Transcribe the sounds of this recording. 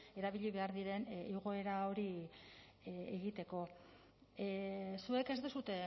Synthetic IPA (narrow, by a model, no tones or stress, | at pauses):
e̞ɾaβiʎiβe̞aɾðiɾe̞niɣ̞o̞e̞ɾao̞ɾi | eɣit̪e̞ko̞ | sue̞ke̞zd̪esut̪e̞